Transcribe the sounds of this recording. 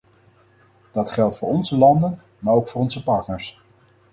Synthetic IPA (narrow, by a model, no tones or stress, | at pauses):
d̥ɑtχɛlˠtfʊːɹɔnzəlɑndən | maːɹowkfʊːɹɔnzəpɑɹtnəɹs